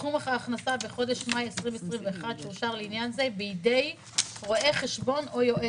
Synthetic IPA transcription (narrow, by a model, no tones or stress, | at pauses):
umaχaːχnasabeχo̞d̪eʃmajesʁimesʁimveːχad̪ʃeuʃaʁleinjanze̞biidej | ʁo̞ʔe̞χeʃbo̞no̞jo̞ʔe